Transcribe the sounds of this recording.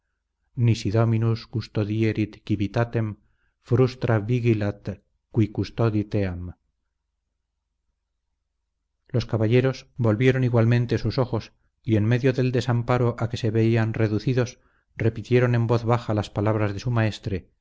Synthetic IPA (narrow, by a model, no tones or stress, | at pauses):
nisiðo̞minuskust̪oðieɾit̪kiβit̪at̪e̞m | fɾust̪ɾaβiɣilat̪ | kwikust̪oðit̪eam | lo̞skaβaʎe̞ɾo̞sbo̞lβje̞ɾo̞niɣwalmẽ̞nt̪esuso̞xo̞s | ie̞nme̞ðjo̞ðe̞ld̪e̞sampaɾo̞ʔake̞se̞βe̞ianre̞ðuθiðo̞s | re̞pit̪je̞ɾo̞ne̞mbo̞θβaxalaspalaβ̞ɾazðe̞sumae̞st̪ɾe̞